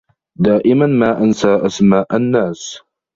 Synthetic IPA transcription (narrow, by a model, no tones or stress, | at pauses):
d̪aːʔɪmanmaːʔansaːʔasmaːʔanːaːs